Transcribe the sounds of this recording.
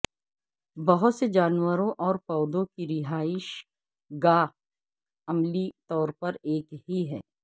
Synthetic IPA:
bɐɦʊt̪sed͡ʒaːnwəɾõʔɔːɾpɔːd̪õkiɾɪɦaːɪʃ | ɡaː | ɐmlit̪ɔːɾpɐɾeːkɦiɦɛ̰ː

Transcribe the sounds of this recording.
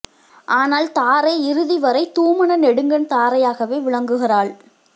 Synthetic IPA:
ʔaːnaːlt̪aːɾɐɪɪɾɯðɪʋɐɾɐɪt̪uːmɐɳɐnɛɽɯŋɡɐnt̪aːɾɐjaːɣɐʋeːʋɪɭɐŋɡɯɣɪraːɭ

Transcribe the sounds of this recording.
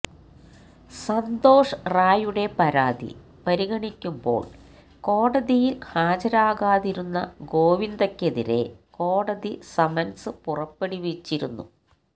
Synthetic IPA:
sɐnd̪o̞ːʂɐraːjuɽe̞pɐɾaːðḭ | pɐɾiɣɐɳikʲːumbo̞̰ːɭ | ko̞ːɽɐðijilhaːd͡ʑɐɾaːɣaːðiɾunːɐ̰ɡo̞ːʋind̪ɐkːe̞ðḭɾe̞̰ko̞ːɽɐðisɐmɐnsɨpurɐpːeɽiʋet͡ɕːiɾunːu

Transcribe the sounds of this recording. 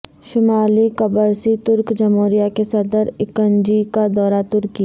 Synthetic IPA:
ʃʊmaːlikɐbəɾsit̪ʊɾkd͡ʒɐmoːɾijakesɐd̪əɾɪkənd͡ʒikad̪ɔːɾat̪ʊɾki

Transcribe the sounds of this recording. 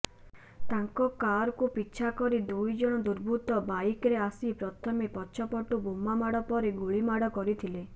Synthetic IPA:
t̪aŋkɔkaɾɔkupitːt͡ʃʰakɔɾid̪ujd͡ʒɔɽ̃ɔd̪uɾbʱut̪ɔbaikɔɾeasipɾɔt̪ʰɔmepɔːʃʰɔpɔʈubumamaɽɔpɔɾeɡuɭimaɽɔkɔɾit̪ʰile

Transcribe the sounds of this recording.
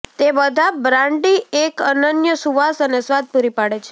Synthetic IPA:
t̪ebəd̪ʱabɾãɳɖiekənənjəsuʋasənesʋad̪̚puɾipaɽet͡ʃʰe̥

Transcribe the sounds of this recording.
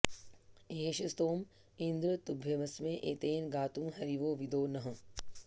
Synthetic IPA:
eːʃɐst̪oːm | ind̪ɾət̪ubʱjɐmɐsmẽʔeːt̪eːnɡaːt̪ũːɦɐɾiʋoːʋid̪oːnɐɦɐ

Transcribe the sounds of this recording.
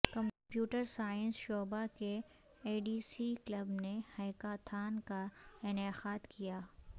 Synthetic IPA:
kɐ̃mpjuːʈəɾsaːjə̃nsʃoːbake | eːɖiːsiklɐbnehɐjkat̪ʰaːnkaɪneqaːd̪kijaː

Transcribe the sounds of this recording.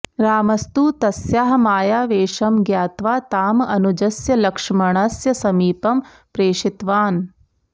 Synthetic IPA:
ɾaːmɐst̪uːt̪ɐsjaːɦɐmaːjaːʋeːʂɐmɡjaːt̪ʋaːt̪aːmɐnud͡ʒɐsjɐlɐkʂɐmɐɳ̃ɐsjɐsɐmiːpɐm | pɾeːʂit̪ʋaːn

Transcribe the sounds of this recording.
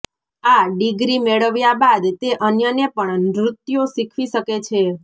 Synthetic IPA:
aɖiɡɾimeɭəʋjabad̪t̪eʔənjənepəɳnɾʊt̪joʃikʰʋiʃəket͡ʃʰe

